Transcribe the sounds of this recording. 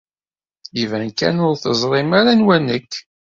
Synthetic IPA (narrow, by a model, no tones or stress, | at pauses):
ivænkæ̰nʊɾθəzˤɾˤɪmaɾanwænəkː